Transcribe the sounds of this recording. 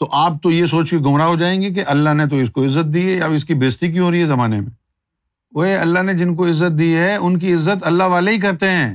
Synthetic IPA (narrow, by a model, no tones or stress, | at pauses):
t̪oʔaːp̚t̪ojes̬oːt͡ʃkeɡʱʊmɾaɦod͡ʒaːẽːŋɡek̬eʔɐlːaɦnet̪̬oɪskoɪzːət̪̚d̪iːɦɛjaɪskibeːst̪ik̬j̃ɦoːɾəiɦɛzɐmaːnemḛ̃ | oɦeɐlːaɦned͡ʒɪnk̬oɪzːət̪̚d̪iːɦɛʊnk̬iɪzːət̪ɐlːaɦʋaːleɦik̬ɐɾt̪eɦɛ̃ː